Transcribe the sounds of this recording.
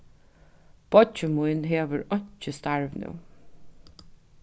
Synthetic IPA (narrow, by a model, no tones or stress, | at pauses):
b̥ɔt͡ʃəmuɪnɦeːʋəɹɔɲ̥t͡ʃəst̪aɹʋnʉ̰